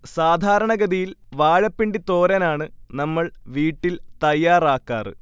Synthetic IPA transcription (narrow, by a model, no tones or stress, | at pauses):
saːd̪ʱaːɾɐɳɐɡɐðijilʋaːɻɐpːiɳɖit̪oːɾɐnaːɳɨnɐmːɐɭʋiːʈːilt̪ɐjːaːraːkːaːrɨ̰